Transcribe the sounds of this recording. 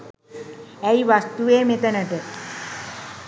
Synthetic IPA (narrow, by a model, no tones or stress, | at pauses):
ɛjʋast̪ueːmet̪ənəʈə